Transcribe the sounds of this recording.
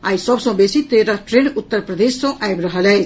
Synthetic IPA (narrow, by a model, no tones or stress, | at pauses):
ajsʌbsɔ̃besit̪eɾaʈɾenut̪ːəɾpɾəd̪esːɔ̃ʔajbɾəɦəlɛ